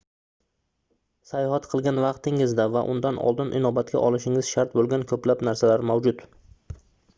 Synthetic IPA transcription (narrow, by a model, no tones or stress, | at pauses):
sajhat̪qʰɨlˠɡʲanvɑqt̪ɪŋɪzd̪avaʔʊ̰nd̪anʔɒ̰lˠd̪ɪnʔɪ̰nɒbat̪̚kʲa̰ʔɒlˠɪʃɪŋɪz̥ʃaɾt̪̚bolˠɡʲankʰɵplapnaɾsalaɾmawd͡ʒʊd̪